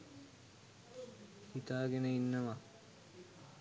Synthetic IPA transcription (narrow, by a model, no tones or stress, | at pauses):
hit̪aːɡenəinːəma